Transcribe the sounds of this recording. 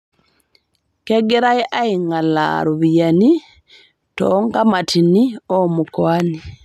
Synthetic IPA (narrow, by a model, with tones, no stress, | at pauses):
kɛɡɛ˦ɾa˦jʔai˨ŋa˨la̰ɾo˨βijani˦ | tɔ̰ŋɡa˦matʰi˨ni˦ɔ˦mukwani